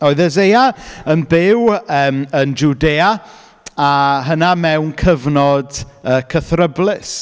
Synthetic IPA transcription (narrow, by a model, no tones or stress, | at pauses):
ɔɨðəzejaənbɪwəːmənd͡ʒudeːa | aɦənamɛwnkʰəvnɔd | əːkʰəθrəblɪs